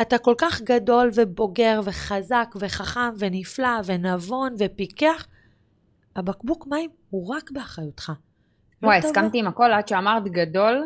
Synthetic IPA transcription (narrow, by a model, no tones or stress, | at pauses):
atako̞lkaχɡado̞lve̞bo̞ɡe̞ʁve̞χazakve̞χaχamve̞niflave̞navo̞nve̞pikeaχ | abakbukmaimhuʁakbeaχajutχa | wajskamt̪iimako̞lad̪ʃeamaʁt̪ɡado̞l